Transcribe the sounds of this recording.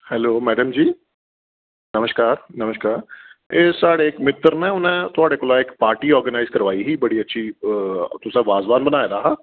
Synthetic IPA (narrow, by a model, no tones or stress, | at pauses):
hɛloːmɛːɖəmd͡ʒiː | nəməʃkaːɾnəməʃkaːɾeːsaːɽekmɪt̪ɾnẽʊnẽːt̪ʊaːɽeːkoːlaɪkpaːɾʈiːɔːɾɡənaːɪzkəɾʋaːiɦiːbəɽiːətːʃʰiːt̪ʊsẽʋaːzʋaːnbənaːeɾaːɦaː